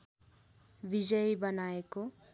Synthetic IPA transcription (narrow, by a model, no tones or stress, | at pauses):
bid͡ʒʌjbʌnaeko